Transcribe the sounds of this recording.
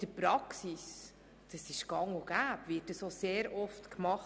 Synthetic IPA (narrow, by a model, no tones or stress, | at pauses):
d̥əpɾɑksis | d̥ɑsɪʃɡ̥ɑŋoɡ̥æːpvɪːt̚dəsoseːɾɔftkmɑχ